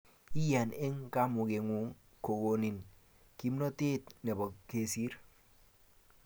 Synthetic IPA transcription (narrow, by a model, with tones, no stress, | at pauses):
i˦ja˨ne˦ŋka˦mu˨ɡe˨ŋu˨ŋ | ko˨ɡo˨ni˨n | ki˦mno˦te˦t̪ne˨bɔ˨ke˨si˦ɾ